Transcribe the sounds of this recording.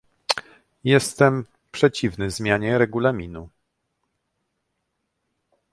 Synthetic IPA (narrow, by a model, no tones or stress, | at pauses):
jɛst̪ɛm | pʂɛt͡ɕivnɘzmʲjaɲɛɾɛɡulamʲinu